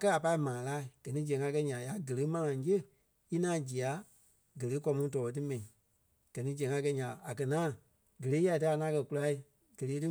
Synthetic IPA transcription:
a˨kɜ˦a˨pa˧i˦mãː˨laː˦˨ɡ̥ɜ˨nĩ˦d͡ʒɛ̃˨ŋã˧kɛ˧˦ɲã˨ja˨˦ɡə˨le˨˦mã˧ŋã˨˦jə˦˨ | i˦nãː˦d͡ʒi˨a˨˦ | ɡə˨leː˨˦kɔ˧˦mũ˧˦tɔː˨ɔ˧t̬ɨ˦mɛ̃˨nĩ˨˦ | ɡ̥ɜ˨nĩ˦d͡ʒɛ̃˨ŋã˧k̬ɛ˧ɲã˨a˨kɜ˨ŋãː˦˨ | ɡə˨leː˨˦ja˧˨tɨ˦a˨˧ŋãː˨˦kɜ˧ku˧la˧i˦ | ɡ̥ə˨leː˨˦tɨ˦

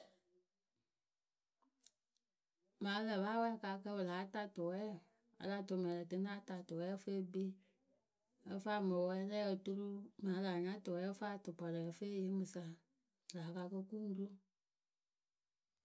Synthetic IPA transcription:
mãː˨˦lɛ˨ba˦wɛ˦˨ka˧kə˧bə˨laː˨˦ta˦˨to˨wɛ˦˨ | a̰˨la˨˦˨to˨mɛ̃˨lɛ˨tɨ˧nã˦ta˨to˨wɛ˦fe˦bi˦ | ə˧˦fa˦˨mõ˨wɛ˧˦lɛː˦kə˧tu˧lu˦mãː˨˦la˨ɲã˦to˨wɛ˨˦fa˦to˨pa˨lɛ˨fe˦je˧˦mɨ̃˨sa˧˨ | laː˨˦ka˧kə˧ku˦ŋ˦ɡu˦lo˦

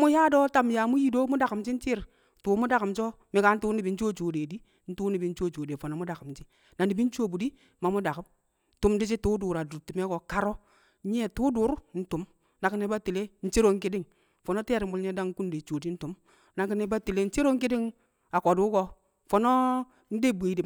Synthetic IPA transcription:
mu˦ja˦do˦ta˨mja˨mu˦ji˦do˦mu˦da˨ki˨mt͡ʃi˦n̩˦t͡ʃi˦ɾ | tuː˨˦mu˦da˨ki˨mt͡ʃo˦ | mi˨ka˨˦n̩˦tu˦ni˨bi˨˦n̩˦t͡ʃo˦t͡ʃo˨de˨di˦ | n̩˦tu˦ni˨bi˨n̩˦t͡ʃo˦˨t͡ʃo˨de˨fo˨no˨˦mu˦da˨ki˨mt͡ʃi˦ | na˨ni˨bi˦n˦t͡ʃo˦˨bu˨di˦ | ma˨mu˦da˨ki˨˦m˦ | tu˨mdi˦t͡ʃi˦tu˦du˨ɾa˨du˨ɾti˨me˦ko˨ka˦ɾo˦ | ɲ˦e˦tu˦du˨˦ɾu˦n̩˦tu˨m | na˨ki˦ne˦ba˦ti˨le˦n̩˦t͡ʃe˦ɾo˦ŋ˦ki˦di˦ŋ | fo˨no˦te˦˨ɾi˨m˦bu˨lɲ˦e˦da˦ku˦n˦de˨t͡ʃo˨di˦n̩˦tu˨m | na˨ki˦ne˦ba˦ti˨le˦n̩˦t͡ʃe˦ɾo˦ŋ˦ki˦di˦ŋ | a˨ko˨du˦ko˦ | fo˨no˦ | n̩˦de˦bʷe˨di˨

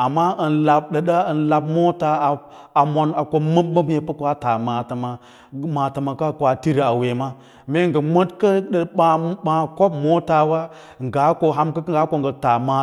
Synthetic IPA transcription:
a˨mːa˦ə˨nla˨b̚ɗə˨ɗa˦ə˨nla˨bmo˦ta˨ | a˨mʷo˨na˨kʷo˨mə˦mːə˦bje˨pə˦kʷa˦ta˨ma˨ta˨ma˨˦ | ma˨ta˨ma˨ka˦˨kʷa˨ti˦ɾi˨a˨we˨ma˦ | me˦ŋ˦ɡə˨mʷo˦tkə˦ɗə˨ɓa˨˦ɓa˨ko˦b̚mo˦ta˨wa˦ | ŋ˨ɡa˨˦ko˨ɦa˦mka˦ɡa˦ko˦˨ŋɡə˨ta˨ma˨

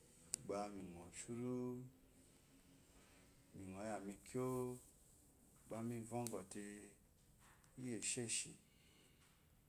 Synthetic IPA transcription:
ɡ͡ba˧mi˨ŋ˨ɔ̃˨ʃu˦ɾu˦ | mi˨ŋ˨ɔ̃˨ja˨mĩ˧kʰjo˦˨ | ɡ͡ba˧mĩ˧˨vɔ̃˦ŋ˦ɡɔ˨te˧ | i˦je˨ʃe˦˨ʃi˨

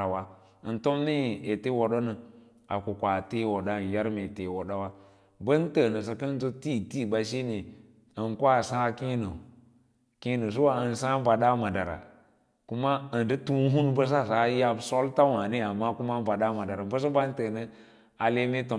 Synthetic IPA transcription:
a˨wa˨ | ə˨nto˦mne˦˨e˨te˦wo˨ɗo˦nə˨ | a̰˨ku˨kʷa˨te˦wo˨da˦˨n˨ja˦ɾme˨te˨wo˨ɗa˦wa˦ | bə˦n˦tə˨nə˨s̬ə˨kə˦n˦zo˦ti˦ti˦˨ba˨ʃi˦ne˨ | ə˨ŋkʷa˦˨sa˦ki˦no˨ | ki˦no˨s̬u˦wa˨ə˨n˨sa˦ba˨da˦ma˨da˨ɾa̰˨ | ku˦ma˦ə˨n˨də˦tu˦n˦ɦu˦nbə˦s̬a˦˨sa˨˦ja˦bso˦lta˦wa˨ne˦a˨mːa˦ku˦ma˦ba˨da˦ma˨da˨ɾa˨bə˦s̬ə˦ba˦n˦tə˨nə˦ | a˨le˦me˦to˨

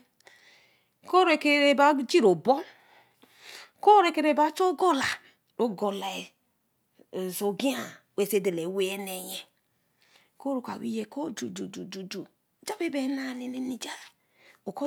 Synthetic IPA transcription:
ko˦ɾe˨ke˨ɾe˨ba˦d͡ʒi˦ɾo˨bo˦ | ko˦ɾe˨ke˨ɾe˨ba˦t͡ʃo˦ɡo˦la˨ | ɾo˦ɡo˨la˨ | so˨ɡi˦a˨we˨se˦de˨le˨we˦ne˨je˨ | ko˦ɾo˨ka˨wḭ˦je˦ko˦d͡ʒu˨d͡ʒu˨d͡ʒu˨d͡ʒu˨d͡ʒu˨ | d͡ʒa˦be˦be˨˦na˦˨ne˨ne˦ni˨d͡ʒa˦˨ | o˨ko˦

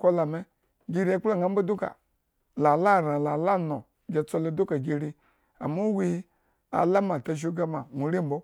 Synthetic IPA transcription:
ko˦la˨me˦ | ɡi˧ɾi˦a˦k͡pla˦˨ŋa˦m̩˦bo˦du˦ka̰˨ | la˨la˦˨ɾa˨la˨la˦no˨ | d͡ʒe˨t͡so˧lo˦do˦ka˨ɡi˧ɾi˧ | a̰˨mo˦wi˦ | a̰˨la˦ma˨ta˨ʃ̬o˦ɡa˦ma˨mʷu˨ɾi˦m̩˨bo˦

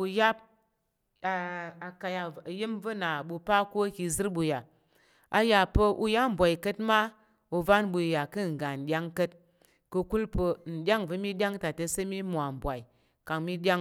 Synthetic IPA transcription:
u˧ja˦p̚ | a˨a˨ka˨ja˨jə˦mvə˦na˨ɓu˧pa˦ko˦ki˧zɨ˦ɾɓu˧ja˨ | a˨ja˨pə˧ʔṵ˧ja˦m̩˨bʷa˨i˨kə˦tma˦ | u˧va˦nɓu˧˨ja˨kə˦˨ŋ˨ɡa˨n̩˨ɗʲa˦ŋkə˦t | kə˧ku˦lpə˧n̩˨ɗʲa˦ŋvə˧mi˦ɗʲa˦ŋ˦ta˨tə˧sə˦mi˦mʷ˨a˨m̩˨bʷa˨i˨ | ka˨ŋmi˦ɗʲa˦ŋ

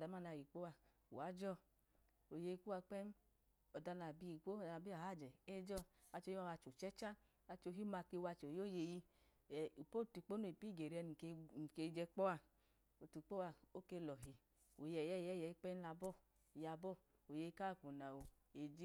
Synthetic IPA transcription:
da˨˦ma˦˨na˧˨ji˨k͡po˦a˧ | ṵ˨a˨˦d͡ʒɔ˦˨ | o˨je˧i˧ku˦a˧k͡pɛ˦m˦ | ɔ˨da˧na˨bi˧˦i˨˧ko˦˨a˧˨bi˦a˨ha˦˨d͡ʒɛ˨e˦d͡ʒɔ˦a˧t͡ʃo˧˦i˦a˦˧a˧t͡ʃo˨t͡ʃɛ˦t͡ʃa˦ | a˧t͡ʃo˧ɦi˦ma˧ke˧wa˧t͡ʃːjo˦˨je˧ji˧˨ | u˨po˦˨tu˨˧˨k͡po˦no˦˨i˨pi˦˨ɡe˨ɾi˧˦ɛ˧n˨kke˧d͡ʒɛ˧k͡pɔ˦a˧ | o˨tu˨˧k͡po˦wa˧o˦ke˧lɔ˨ɦi˧ | o̰˨jɛ˨jɛ˦˨jɛ˦˨jɛ˨i˧˦k͡pɛ˦la˧bɔ˦˨ | ja˧bɔ˦ | o˨je˧i˧˦˧ka˦˨k͡pu˨na˨o˨ | e˧d͡ʒi˦

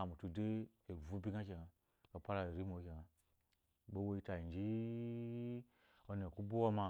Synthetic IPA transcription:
a˨mu˨tu˨de˦ | e˨vu˦bi˦ɡa˦k̬ʲe˨ɡa˨ | ka˨pa˦ɾa˨ɾi˦mo˨˦kʲe˨ŋa˨ | bo˦wo˦i˦ta˨i˨nd͡ʒi˦ | o˦ne˨ku˦bu˦wo˦ma˨

